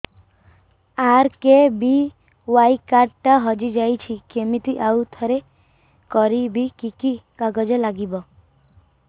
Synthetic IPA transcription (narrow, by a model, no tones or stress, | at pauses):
aɾkebi | wajkaʈʈaɦɔd͡ʒid͡ʒajt͡ʃʰikemit̪iʔawt̪ʰɔɾe | kɔɾibʱikikikaɡɔd͡ʒɔlaɡibɔ